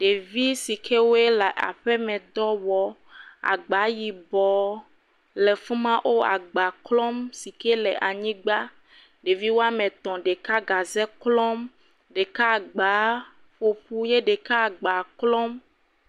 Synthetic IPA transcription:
ɖe˨vi˦si˨kʰe˦wo˦e˦la˨ʔa̰˨ɸɛ˦mɛ̃˨d̪ɔ˦wɔ˨ | a̰˨ɡ͡ba˨˦ji˨bɔ˨ | lɛ˨fu˦mã˦ʔo˦a̰˨ɡ͡ba˨klɔ̃˦msi˨ke˦lɛ˨ʔa˨ɲĩ˦ɡ͡ba˦ | ɖe˨vi˦wo˦a˦mɛ̃˨t̪ɔ̃˨ɖe˨ka˦ɡa˨zɛ˦klɔ˦m | ɖe˨ka˦˨ɡ͡ba˨˦ | ɸo˨ɸu˦je˦ɖe˨ka˦˨ɡ͡ba˨klɔ˦m

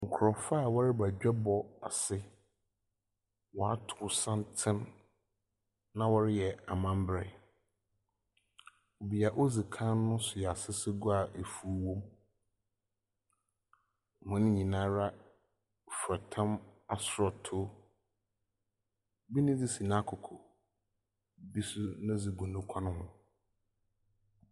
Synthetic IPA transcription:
ŋ̩˨kʰʊ˨ɾɔ˨fa˦˨wɔ˦ɾɪ˦ba˨d͡ʑᶣɛ˦bɔ˨a̰˨sɪ˦ | wɔ˨a˦tʰʊ˨sã˦ntʰɪ̃˦n | nã˦wɔ˦ɾɪ˦jɛ˨a˨mã˦m˦bɾɛ̰˨ | o˨bi˨a˨ʔo˦zi˨kʰã˦nʊ̃˦sʊ˨ja˨sɪ˦sɪ˦ɡʊ˦a˨ʔe˨fu˦wõ˦m˨ | mʊ̃˨nɪ̃˦ɲĩ˨nãː˦ɾa˦ | fɾa˨tʰã˦ma˨sʊ˨ɾɔ˨tʰʊ˦ | bi˦nɪ̃˦d͡zɪ˦si˨na˦kʰʊ˨kʰɔ˨ | bi˦sʊ˦nã˦d͡zi˨ɡũ˨nʊ̃˦kʷʰã˦nʊ̃˦hʊ̃˦

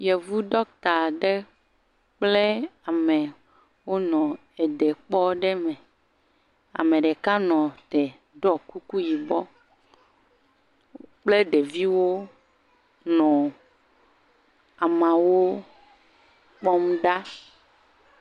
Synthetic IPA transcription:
jɛ˨vu˦ɖ̪ɔ˦k̚t̪a˨ɖe˦ | k͡ple˦a˨me˨ | wo˦nɔ̃˨ | e˨ɖɛ˨k͡pɔ˦ɖɛ˦mɛ̃˨ | a̰˨mẽ˨ɖe˨ka˦nɔ̃˨t̪ɛ˨ | ɖɔ˦ku˦ku˦ji˨bɔ˦ | k͡ple˦ɖe˨vi˦wo˦ | nɔ̃˨ | a˨mã˨wo˦ | k͡pɔ˦m˦ɖa˦

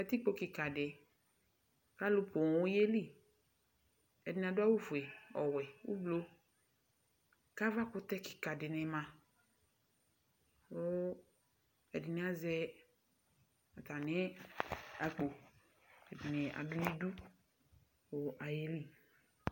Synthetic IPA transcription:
ɛ˨t̪i˦k͡po˦ki˨ka˨de˨ | ka˦lu˦po˨ŋ˨wo˦je˦li˦˨ | ɛ˨dɪ˨n˨a˨dʊ˦a˦wo˦fu˨e˨ɔ˨wɛ˨wo̰˦blo˦ | ka˦va˦ko˦t̪ɛ˦ki̥˨ka˨dɪ˨nɛ̃˨mã˨ | wo˦ | ɛ˨dɪ˨nẽ˨˦a˦zɛ˦ | a˨t̪a˨nẽ˦ | a˨k͡po˨ | ɛ˨di˨ne˨ʔa̰˨dʊ˦nĩ˦du˦ | wo˦ʔa˨je˦li˦

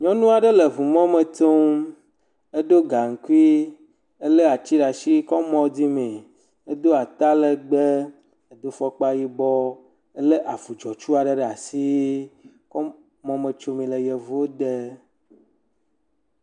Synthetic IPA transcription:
ɲɔ̃˦nũ˦a˨ɖə˦lə˨vu˨mɔ̃˦mẽ˨t̪o˦m | e˦d̪o˦ɡa˨ŋ̩˨ku˦i˦ | e˦le˦a˨t͡ɕi˦ɖa˨ʃi˦kɔ˦mɔ̃˦d̪i˦mẽ˨ | e˦d̪o˦a˨t̪a˦le˨ɡ͡be˦ | e˨d̪o˦fɔ˦k͡pa˦ji˦bɔ˦ | e˦le˦ʔa˨vu˨d͡ʒɔ˨t͡ʃu˦a˨ɖə˦ɖa˨si˦ | kɔ˦ | mɔ̃˦mẽ˨t͡ʃo˦mĩ˨le˨jɛ˨vu˨˦o˦d̪e˦

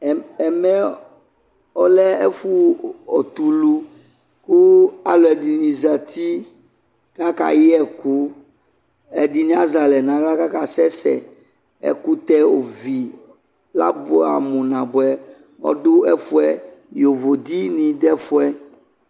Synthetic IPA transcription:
ɛ˨mɛ̃˦ | ɔ˦lɛ˦ɛ˦fu˦ɔ̰˨t̪u˨lu˦ | ku˦a˨lo˨ɛ˨di˨nĩ˨za˨t̪i˦ | ka˦ka̰˨ji˦ɛ˨ku˦ | ɛ˨di˨nĩ˦a˦za˨lɛ˨nã˨ɡla˦ka˦ka˨sɛ˦sɛ̰˨ | ɛ̰˨ku˦t̪ɛ˦o̰˨vi˨ | la̰˦bo˦a̰˨mũ˨nã˨bʊ˨ɛ˦ | wɔ̰˦dʊ˦ɛ˦fu˦ɛ˦jo˨vo˨d̪i˦nĩ˨d̪ɛ˦fu˦ɛ˦

